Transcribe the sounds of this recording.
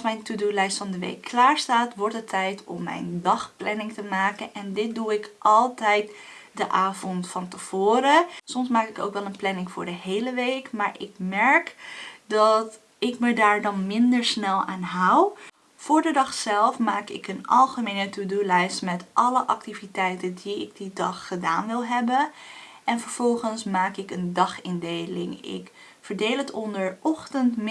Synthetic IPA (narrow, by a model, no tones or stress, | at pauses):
smɛjntudulɛjstfɑndəʋḛjkʰːlaːɹstaːtʋɔɹtətʰːɛjtʰɔ̰mːɛ̰jndɑχplɛnɪŋtəmaːkənʔɛndɪt̚duɪkʔɑlˠtɛjtdəʔaːvɔntfɑntəv̥oːɾəsɔmsmaːkɪko̰wkʋɛlˠənplɛnɪŋfʊːɹdəɦejləʋejkmaːɹʔɪ̰k̚mɛɹkdɑt | ɪkmədaːɹdɑnmɪndəɹsnɛlˠa̰ːnɦaw | v̥ʊːɹdədɑχsɛlˠfmaːkɪkənɑ̰lˠχəmejnətudulɛjstmɛtʔɑləʔɑk̚tivitɛjtəndiɪ̰ɡ̚didɑχːədaːnʋɪlˠɦɛbən | ɛnvəɹv̥ɔlˠχənsmaːkɪkəndɑχɪndejlɪ̰ŋɪ̰k | fəɹdejlətɔndəɹɔχtəntm